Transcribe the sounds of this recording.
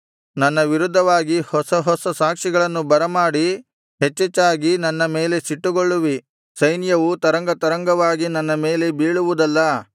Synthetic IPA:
nɐnːɐʋiɾud̪ʱːɐʋaːɡihɔsɐɦɔsɐsaːkʂiɡɐɭɐnːubɐɾɐmaːɽi | ɦet͡ʃːet͡ʃːaːɡinɐnːɐme̞ːle̞siʈːuɡoɭːuʋi | sɐjnjɐʋut̪ɐɾɐŋɡɐt̪ɐɾɐŋɡɐʋaːɡinɐnːɐmeːle̞biːɭuʋud̪ɐlːɐ

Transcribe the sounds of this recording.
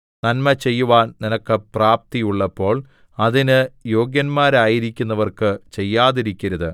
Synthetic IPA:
nɐnmɐt͡ɕe̞jːuʋaːnninɐkːɨpraːp̚t̪ijuɭːɐpːo̞ːɭ | ɐðinɨjo̞ːɡjɐnmaːɾaːjiɾikʲːunːɐʋɐrkɨt͡ɕe̞jːaːðiɾikʲːɐɾɐðɨ

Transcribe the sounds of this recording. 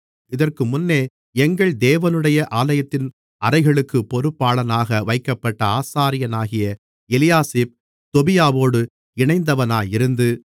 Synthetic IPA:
ɪðɐrkɯmʊnːeː | ɛŋɡɐɭd̪eːʋɐnɯɽɐjɐʔaːlɐjɐt̪ːɪn | ʔɐɾɐɪɣɐɭɯkːɯpːɔɾɯpːaːɭɐnaːɣɐʋɐɪkːɐpːɐʈːɐaːsaːɾɪjɐnaːɣɪjɐ | ɪlɪjaːseːp̚ | t̪ɔbɪjaːʋoːɽɯ | ɪɳɐɪnd̪ɐʋɐnaːjɪɾɯnd̪ɯ

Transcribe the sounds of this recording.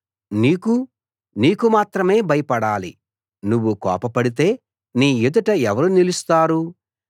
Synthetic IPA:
niːku | niːkumaːt̪ɾɐme̞ːbɐjɐpɐɽaːlḭ | nuʋːukɔ̰ːpɐpɐɽit̪e̞ː | niːjud̪ɐʈɐɛʋɐɾunilust̪aːɾu

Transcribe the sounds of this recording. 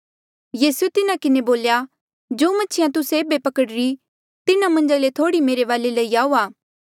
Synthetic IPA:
jiːsuet̪ɪnãkɪneboːlja | d͡ʒoːmɐtːt͡ʃʰʃʰɪjãt̪ʊseeːbepɐkəɽɾi | t̪ɪnãmɐ̃nd͡ʒalet̪ʰoːɽimeːɾeʋaːlelɐiaːuːaː

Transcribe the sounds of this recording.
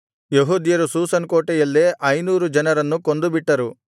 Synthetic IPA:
jeɦuːd̪jɐɾusuːsɐnkoːʈɛjɐlːeʔɐjnuːɾud͡ʒɐnɐɾɐnːukond̪ubiʈːɐɾu

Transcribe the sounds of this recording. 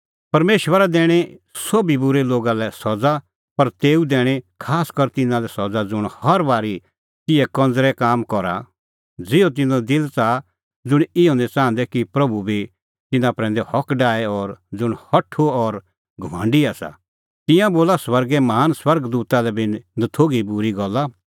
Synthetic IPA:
pɐɾmeːʃwəɾad̪ɛːɽ̃esobibʊɾeloːɡalɛsɔd͡za | pɐɾt̪eːud̪ɛːɽ̃ekʰaːskɐɾt̪ɪnãlɛsɔd͡zad͡zʊɽ̃hɐɾbaːɾi | t̪ɪɛkɐ̃nd͡zɾɛkaːmkɔɾa̰ | d͡zɪot̪̬ɪnõd̪ɪlt͡sa | d͡zʊɽ̃ɪjõnɛt͡sãːn̆d̪ɛkipɾɐbʱubʱi | t̪ɪnãpɾɛ̃ːnd̪ɛhɔkɖaːɛɔɾd͡zʊɽ̃hɐʈʰoɔɾ | ɡʱʊʋã̰ːɳɖiasa̰ | t̪ɪ̃jãboːlaswɐɾɡɛmɐɦaːnswɐɾɡd̪uːt̪alɛbɪnnɐt̪ʰoːɡibʊɾiɡɔlːa

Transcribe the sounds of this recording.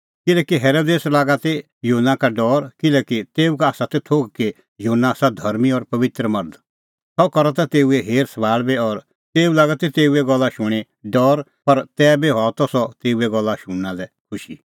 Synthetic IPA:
kɪlɛːkiɦɛːɾoːd̪eːslaːɡat̪e | juɦnːakaɖɔːɾkɪlɛkit̪eːukaːsat̪ɛt̪ʰoːɡke | juɦnːasad̪ʱɐɾmiɔɾpɐʋɪt̪ɾəmɐɾd̪ | sɔkɔɾɔt̪at̪eːuɛɦeːɾsbaːɭbeɔːɾ | t̪eːulaːɡat̪et̪eːuɛɡɔlːaʃʊɽ̃e | ɖɔːɾ | pɐɾt̪ɛːbeɦaːɔt̪ɔsɔt̪eːuɛɡɔlːaʃʊ̃ɳːãlɛkʰʊʃi

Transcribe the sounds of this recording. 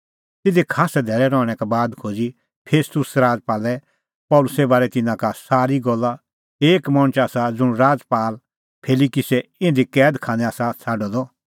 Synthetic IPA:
t̪ɪd̪ikʰaːsɛd̪ʱɛːɾɛɾɔːɽ̃ɛkabaːd̪kʰoːd͡zi | pʰeːst̪ʊsɾaːd͡zpaːlɛ | pɔːlʊsɛbaːɾɛt̪ɪnãkasaːɾiɡɔlːa | eːkmɔɽ̃t͡ʃaːsad͡zʊɽ̃ɾaːd͡zpaːl | pʰeːlikisɛɪ̃nd̪ikɛːd̪kʰãːñɛ̃aːsat͡sʰaːɖɔd̪ɔ

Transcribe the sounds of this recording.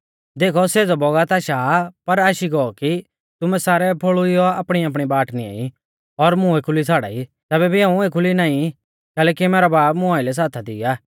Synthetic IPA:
d̪eːkʰɔseːd͡zɔbɔɡat̪aʃaːpɐɾaːʃiɡɔɔki | t̪ʊmɛ̃saːɾɛpʰoɭʊiɔaːpɽ̃iaːp̬ɽ̃ibaːʈnia̰ːi | ɔɾmʊ̃ekʰʊlit͡sʰaːɽa̰ːit̪ɛːbɛbʱiãːũekʰʊlinaːĩ | kɛːlɛːkimeːɾabaːpmʊ̃aːɪlɛs̬aːt̪ʰad̪ɪːaː

